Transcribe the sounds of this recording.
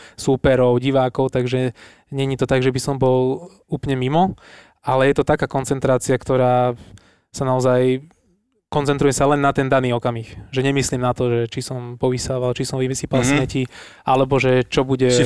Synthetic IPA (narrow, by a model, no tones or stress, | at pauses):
supɛɾɔʊɟiʋaːkɔʊt̪aɡʒɛ | ɲɛɲit̪ɔt̪aɡʒɛbisɔmbɔl | uːplɲɛmimɔ | alɛjɛt̪ɔt̪akaːkɔnt͡sɛnt̪ɾaːt͡siakt̪ɔɾaː | sanaɔzaj | kɔnt͡sɛnt̪ɾujɛsalɛnːat̪ɛnd̪aniːɔkamiːxʒɛɲɛmisliːmnat̪ɔʒɛt͡ʃisɔmpɔʋisaʋalt͡ʃisɔmʋiʋɛsiːpalsamɛcialɛbɔʒɛt͡ʃɔbuɟɛ